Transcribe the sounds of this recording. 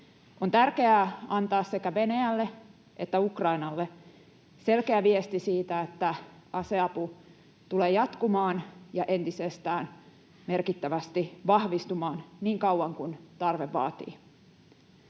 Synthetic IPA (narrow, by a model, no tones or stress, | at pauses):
ont̪ærke̞æɑnt̪ɑːssekæʋe̞næjælːe | ʔe̞t̪ːæukrɑinɑlːe | se̞lkeæʋiest̪isiːt̪æet̪ːæɑseɑpu | t̪uleːjɑt̪kumɑːnjɑʔe̞nt̪isest̪æːn | merkit̪ːæʋæst̪iʋɑhʋist̪umɑːnniːŋkɑwwɑŋkunt̪ɑrʋeʋːɑ̰ːt̪ḭː